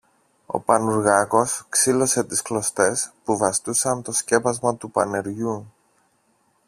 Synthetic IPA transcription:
o̞̰pɐnuɾɣɐko̞sksilo̞se̞t̪isklo̞st̪e̞spuvɐst̪usɐt̪o̞sce̞pɐzmɐt̪upɐne̞ɾʝu

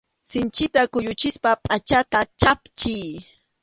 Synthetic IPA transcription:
sɪnt͡ʃɪt̪akʊjʊt͡ʃɪspapʼat͡ʃat̪at͡ʃapt͡ʃij

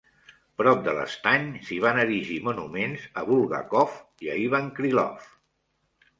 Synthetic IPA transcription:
pɾɔp̚d̪ələ̰st̪aɲsiβ̞anəɾiʒimunumenzəβulˠɣa̰kɔf | iəiβaŋkɾilɔ̰f

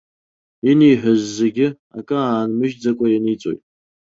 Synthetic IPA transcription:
inijħʷᶣazːeɡʲɪ | a̰kʼɨaːnmɨʒd͡zakʷʼajanit͡sʼo̞̰jtʼ

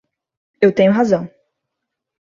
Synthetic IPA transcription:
ewt̪ẽɲʊɦazɐ̃w̃

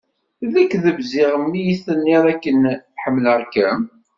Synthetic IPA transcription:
ðækːðəvzɪʁəmːijiθənːɪðˤækːənħəmːləɾkːæm

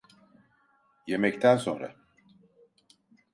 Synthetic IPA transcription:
je̞mɛct̪ʰænso̞̰nɾa̰

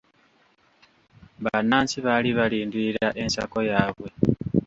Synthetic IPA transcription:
βanaːnsiβaliβaliːndiɾaʔe̞nsa̰ko̞jaːβwe̞

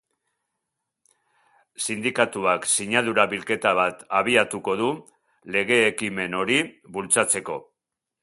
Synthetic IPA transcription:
sind̪ikat̪uaksiɲaðuɾaβilke̞t̪aβat̪aβ̞iat̪uko̞ðu | le̞ɣe̞ːkime̞no̞ɾiβult͡sat͡se̞ko̞̰

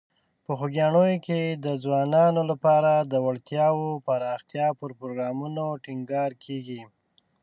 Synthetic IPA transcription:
pəxoɡjɑɳojoked̪əd͡zwɑnɑnolapɑɾad̪əwaɽt̪jɑwopaɾɑxt̪jɑpəɾpɾoɡɾɑmunoʈɪŋɡɑɾkʰeɡi

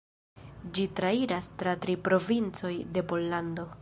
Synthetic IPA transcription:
d͡ʒitɾaiɾastɾatɾipɾo̞vint͡so̞jde̞po̞lːando̞

